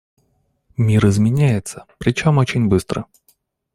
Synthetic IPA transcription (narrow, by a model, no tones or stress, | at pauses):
mʲiɾɨzmʲɪnʲæjɪt̪səpɾʲɪt͡ɕomot͡ɕɪnʲbɨst̪ɾə̰